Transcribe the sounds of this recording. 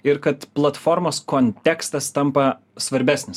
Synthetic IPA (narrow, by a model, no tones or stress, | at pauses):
ɪɾkɐt̪plˠɐt̪fɔɾmoːskonʲt̪ʲækst̪ɐst̪ɐmpɐ | sʋɐɾʲbʲæːsʲnʲɪs